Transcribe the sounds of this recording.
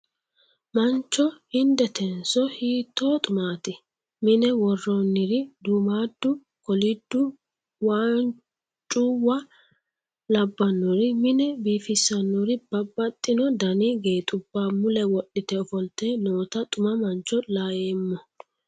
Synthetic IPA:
mɐnt͡ʃːɔhɪnd̪ɛt̪ʰɛnsɔhiːt̪ʰːoːt̪ʼʊmaːt̪ɪ | mɪnɛwɔrːonːɪɾɪd̪uːmaːd̪ːʊ | kɔlɪd̪ːʊ | waːn | t͡ʃʼʊwɐ | lɐbːɐnːɔɾɪmɪnɛbiːfɪsːɐnːɔɾɪb̥ɐbːɐt̪ʼːɪnɔd̪ɐniɡeːt̪ʼʊbːaːmʊlɛwɔɗːɪt̪ɛɔfɔlt̪eːnoːt̪ɐt̪ʼʊmɐmɐnt͡ʃːɔlaːjeːmːɔ

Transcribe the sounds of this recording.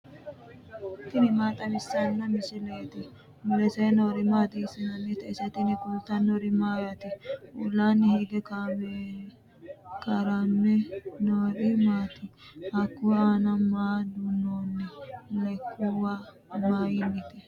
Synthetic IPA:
t̪ɪnɪmaːt̪ʼɐmɪsːɐnːɐmɪsɪleːt̪ɪ | mʊlɛsɛjnoːɾɪmaːt̪ɪsɪnɐnːɪt̪ɛɪsɐt̪ɪnɪkʊlt̪ːɐnoɾɪmaːjat̪ɪʔʊlːaːnːɪhiɡɛkabe | kɐɾanːɛnoːɾɪmaːt̪ɪhɐkːʊwanɐmaːd̪ʊnːoːnːɛlɛkʰːʊwaː | maːjɪnːɪt̪ɛ

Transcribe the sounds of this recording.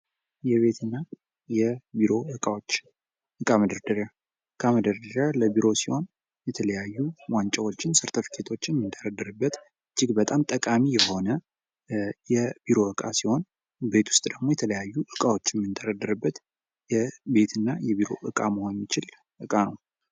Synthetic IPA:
jɛβe̞t̪ɨnːa | jɛbiɾo̞ɨkʼawot͡ʃː | ʔɨkʼaməd̪əɾd̪əɾja | ʔɨkʼaməd̪əɾd̪əɾjaləbiɾo̞siho̞n | jɛt̪ʰələjajːuwant͡ʃʼɛwot͡ʃːɪnsɨɾt̪ʰəfi̥kʰe̞t̪ʰo̞t͡ʃːjɛmːɨnd̪ʰəɾəd̪ːəɾɨbːət̪ | ɨd͡ʒːɪɡbət̪ʼamt̪ʼəkʼamijɛho̞nə | jɛbiɾo̞ɨkʼa̰siho̞n | be̞t̪ʰwʊst̪ʼd̪əɡmo̞jɛt̪ʰələjajːuʔɨkʼawo̞t͡ʃːjɛmːɨnd̪ʰəɾəd̪ːəɾɨbːət̪ | jɛbe̞t̪ʰɨnːajɛβiɾo̞̰ʔɨkʼaməhonɛmːit͡ʃɪl | ʔɨkʼanəw

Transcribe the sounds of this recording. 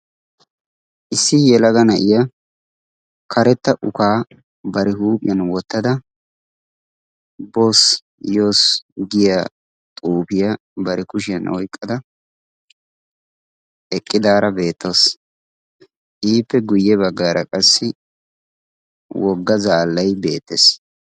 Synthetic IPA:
ʔɪsːɪjɛlɐɡɐnɐʔɪjɐ | kʰɐɾɛt̪ːɐʔʊkaː | bɐɾɛhuːpʼɪ̰jɐnwɔt̪ːɐd̪ɐ | bos | joːsɡɪja | t̪ʼuːbɪjɐ | bɐɾɛkʊʃɪjɐnʔɔ̰jkʼːɐd̪ɐ | ɛkʼːɪd̪aːɾɐbe̞ːt̪ːoːs | ʔiːpːɛɡʊjːɛbɐɡːaːɾɐkʼɐsːɪ | wɔɡːɐzaːlːɐjbe̞̰ːt̪ːḛs

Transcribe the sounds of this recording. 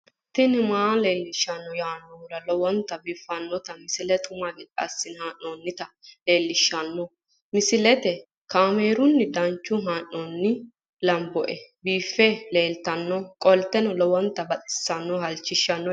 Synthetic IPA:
t̪ːɪnɪmaːleːlːɪʃːɐnːɔjaːnːɔɾɐlɔwɔnt̪ɐbiːfːɐnːɔt̪ɐmɪsɪlɛt̪ʰʊmɐɡɪᶑɐ̰sːɪnhaːʔoːnːɪt̪ɐle̞ːlːɪʃːɐnːɔ | mɪsɪlɛt̪ɛ | kaːmeːɾʊnːɪd̪ɐnt͡ʃːʊɦaːʔoːnːɪ | lɐmbɔʔɛbiːfːɛle̞ːlt̪ɐnːɔkʼɔlt̪ɛnɔlɔwɔnt̪ɐbɐt̪ʼɪ̥sːɐnːɔɦɐlt͡ʃːɪʃːɐnːɔ

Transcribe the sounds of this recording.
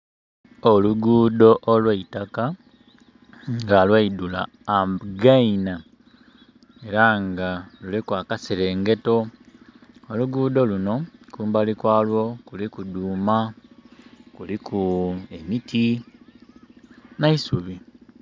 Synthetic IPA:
oluɡuːdo̞ʔolwaitaka | ŋɡalwaidula̰ː | mbɡaina | e̞ɾaŋɡalulikwaːkaseɾe̞ːŋɡe̞to̞ | oluɡuːdo̞luno̞kuːmbalikwaːlwo̞kulikuduːma | kulikʰue̞mitʰi | naisuβi

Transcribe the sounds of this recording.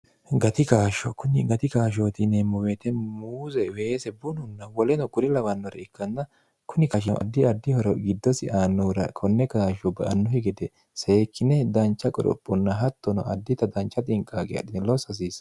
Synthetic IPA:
ɡɐt̪ɪkaːʃɔkʊnɪɡɐt̪ɪkaːʃ̬oːt̪ɪnemʊwɛt̪ɛmuːzɛweːsɛbʊnʊnːɐwɔlɛnɔkʊɾɪlɐwɐnːɔɾɐɪkːɐnːɐ | kʰʊnɪkɐʃ̬ɛ̰ʔɐ̰d̪ːɪɐd̪ːɪhɔɾɔɡɪd̪ːɔsɪʔaːnːɔɾɐkʰɔnːɛkaːʃɔbɐʔɐnːɔhɪɡɛd̪ɛ | seːkʰːɪnɛd̪ɐnt͡ʃːɐkʼɔ̰ɾɔ̰pʼːɔnːɐɦɐt̪ːɔnɔ̰ʔɐd̪ːɪt̪ɐd̪ɐnt͡ʃːɐt̪ʼɪŋkʼːaːɡɛɐ̰d̪ɪnɛlɔsɐs̬iːs

